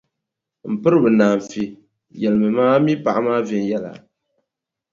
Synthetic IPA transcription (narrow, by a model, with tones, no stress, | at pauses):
m̩˨pɨ˦ɾɨ˦bɨ˨naː˨m˨fi˨ | jɛ˨lɨ˨mɨ˨maː˦mi˦pa˨ʔa˦maː˦vɛ˨n˨jɛ˦la̰˨